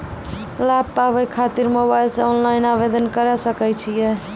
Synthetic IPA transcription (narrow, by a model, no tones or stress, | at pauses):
lab̚pabɛjkʰat̪iɾmobajlseɔnlaɪnabed̪ənkəɾɛsəkɛt͡ʃʰijɛ